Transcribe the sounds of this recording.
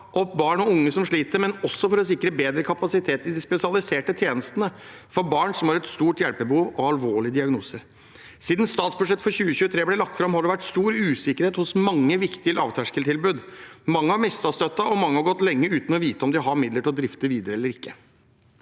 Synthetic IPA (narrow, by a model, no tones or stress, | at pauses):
ɔpːbɑːɳɔʊŋːəsɔmʂɭiːt̪əɾmɛnɔsːɔfɔɾɔs̬ɪkːɾəbeːd̪ɾəkʰɑpɑsɪt̪ʰeːt̪ɪd̪ɪspɛsɪɑlɪseːʈət̪ʰjeːnəst̪ənəfɔɾbɑːɳsɔmhɑɾɛt̪st̪uːʈjɛlpəbəhuːʋɔɑlʋoːɭɪəd̪ɪɑɡnuːsəɾ | siːd̪n̩st̪ɑːt̪sbʉʂɛt̪ːfɔɾçʉːəçʉːət̪ʰɾeːblɛlɑk̚t̪fɾɑmhɑɖɛʋæʈst̪uːɾʉːsɪkːəɾheːt̪hʊsmɑŋːəʋɪkt̪ɪəlɑːʋt̪ʰæʂkəlt̪ʰɪlbʉːd̪mɑŋːəhɑɾmɪst̪ɑst̪œt̪ːɑɔmɑŋːəhɑɾɡɔt̪ːlɛŋːəʉːt̪n̩ɔʋiːt̪əɔmd̪ɪɦɑɾmɪd̪ləʈʰɪld̪ɾɪft̪əɾʋiːd̪əɾəɛlːəɾɪkːə